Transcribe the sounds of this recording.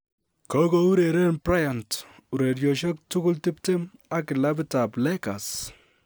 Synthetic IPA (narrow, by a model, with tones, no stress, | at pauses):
kɔ˦ɡɔ˦u˦ɾe˨ɾe˦npɾa˦ja˨ntu˨ɾe˨ɾjɔ˨ʃɔ˦k̚tʊ˦ɡʊ˦ltɪ˦pte˦ma˦kɪ˨la˦bɪ˦ta˨plɛ˦ka˨s